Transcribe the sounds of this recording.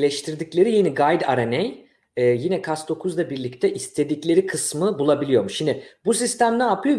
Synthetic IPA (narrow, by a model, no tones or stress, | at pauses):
lʲɛʃt̪ʰiɾd̪iclʲe̞ɾijeniɡajd̪a̰ɾanej | ɛːjinɛkʰasd̪o̞kʰuzlˠabiɾlʲict̪ʰɛʔist̪ʰe̞d̪iclʲe̞ɾikʰɯsmɯbulˠabilʲijo̞ɾmuʃind̪ibusist̪ʰæmnɛapʰɯjo